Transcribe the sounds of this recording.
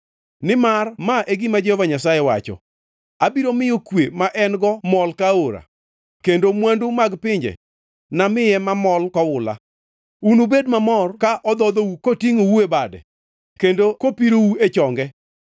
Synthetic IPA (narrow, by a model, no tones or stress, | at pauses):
nɪmarmaʔeɡimad͡ʒehɔvaɲasajɛwat͡ʃɔ̰ | abiɾomɪjokwemaʔɛnɡɔmɔlkaoɾa̰ | kendomwandʊmaɡpɪɲd͡ʒɛ̰ | namɪjɛmamɔlkɔwʊla̰ | unubedmamɔrkaʔɔd̪ɔd̪owukotiŋowuebadɛ̰ | kendokopiɾowuet͡ʃɔŋɡɛ